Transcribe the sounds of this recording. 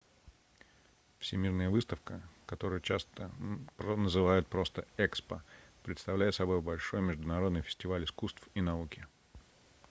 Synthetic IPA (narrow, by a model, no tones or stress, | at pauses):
fsʲɪmʲirnəjəvɨst̪əfkəkɐt̪o̞ɾɨjət͡ɕast̪əpnəzɨvajʊt̪̚pɾo̞st̪əɛkspəpɾʲɪt̪st̪ɐvlʲæjɪt̪sɐbo̞jbɐlʲʂo̞jmʲɪʐd̪ʊnɐɾo̞d̪nɨjfʲɪ̥sʲtʲɪvalʲɪskust̪finɐukʲɪ